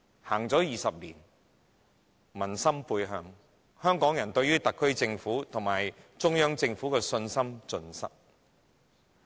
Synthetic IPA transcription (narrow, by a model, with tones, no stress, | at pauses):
haː˨˩ŋt͡sɔː˨˥jiː˨sɐ˨p̚liː˨˩n | mɐ˨˩nsɐ˥mpuː˧jɦœː˧ŋ | hœː˥ŋkɔː˨˥ŋjɐ˨˩nt̪ɵ˧ɥːyː˥t̪ɐ˨kʰːɵ˥ɥt͡sɪ˧ŋfuː˨˥t̪ʰʊ˨˩ŋmaː˨˩jt͡sʊ˥ŋjœː˥ŋt͡sɪ˧ŋfuː˨˥kɛː˧sɵ˧nsɐ˥mt͡sɵ˧nsɐ̰˥k̚